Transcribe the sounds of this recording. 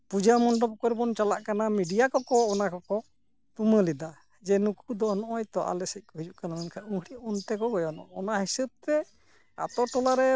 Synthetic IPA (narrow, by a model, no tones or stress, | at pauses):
pud͡ʒamɔnɖɔpɔkɔɾbɔnt͡ʃalaʔkanamiɖijakɔkɔːnakɔkɔ | t̪uməlid̪a | d͡ʒɛnukud̪ɔɔnɔʔɔjt̪ɔʔa̰lɛsəc̚ˀkɔɦid͡ʒuʔkanamɛnkʰauŋhɽiʔunt̪ɛkɔɡɔjɔnɔ̰ɔ̰ɔnaɦisəb̚t̪ɛ | a̰t̪ɔʈɔlaɾɛ